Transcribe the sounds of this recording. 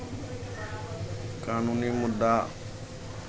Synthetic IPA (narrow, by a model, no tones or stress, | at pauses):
kaːnuːniːmʊd̪ːaː